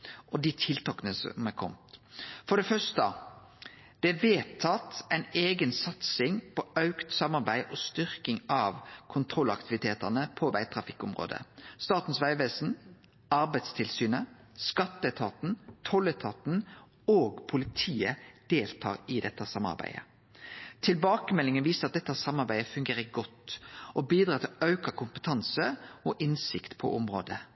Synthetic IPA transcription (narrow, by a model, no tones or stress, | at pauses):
ʔɔd̪ɪt̪ʰɪlt̪ʰɑkənəsɔ̰mækʰɔ̰mt̪fɔɖ̪ɛfœʂt̪ə | d̪̥ɛʋeːt̪ʰːɑt̪æɪneːɡənsɑt̪sɪŋpʰɔɑʉkt̪sɑmɑʁbæɪʔɔst̪ʏɾkɪŋɑʋkʰʊnt̪ʰɾɔlːɑkt̪ɪʋɪt̪ʰeːt̪əʁnəpʰɔʋæɪt̪ʰɾɑfɪkːʊmʁo̰ːd̪ə̰st̪ɑːt̪n̩sʋæɪʋeːsn̩ | ɑɾbæɪt̪st̪ʰɪlsyːnə | skɑt̪ːət̪ʰɑːt̪n̩t̪ʰɔlːət̪ʰɑːt̪n | oːɡpʰʊlɪt̪ʰiːəd̪̥eːlt̪ʰɑ̰ːɾɪd̪ɛt̪ːəsɑmɑ̰ɾbæ̰ɪə̰ | t̪ʰɪlbɑːkəmɛlɪŋənʋiːsəɑt̪̚d̪ɛt̪ːæsɑmːɑʁbæɪəfʉŋɡeːʁəɡɔt̪ːʔɔbiːd̪ɾɑːt̪ʰɪlɑʉkɑkʰʊmpət̪ʰɑnsəɔʔɪnsɪkt̪pʰɔ̰ʔʊmʁo̰ːd̪ə